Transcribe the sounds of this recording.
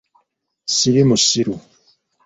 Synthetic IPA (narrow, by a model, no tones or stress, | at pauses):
silimusiɾu